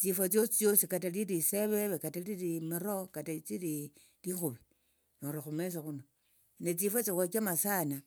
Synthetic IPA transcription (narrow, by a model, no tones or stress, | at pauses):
t͡sifot͡sjosit͡sjosikataliɾiseβeβekataliɾimiɾokatat͡siɾi | lixuβi | noɾaxumes̬oxuno | net͡sifot͡siat͡ʃamasana